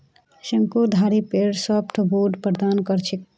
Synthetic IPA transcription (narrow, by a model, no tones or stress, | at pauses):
səŋkud̪ʱaɾipeɾsəpʈʰboɖpəɾd̪ankəɾt͡ʃʰik